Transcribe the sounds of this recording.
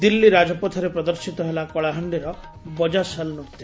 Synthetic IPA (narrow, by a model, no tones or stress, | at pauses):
d̪ilːiɾad͡ʒɔpɔt̪ʰɔɾepɾɔd̪ɔɾsit̪ɔɦelakɔɭaɦɔɳɖiɾɔ | bɔd͡ʒasalnuɾt̪i